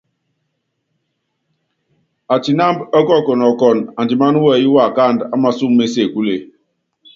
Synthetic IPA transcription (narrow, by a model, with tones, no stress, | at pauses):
a˨ti˨na˦mbɔ˦kɔ˦˨kɔ˨nɔ˨kɔ˨na˨nd͡ʒi˨ma˦nu˦wɛ˦˨ji˦wa˦˨ka˦˨nda˦ma˦su˦mːe˦se˦˨ku˦le˨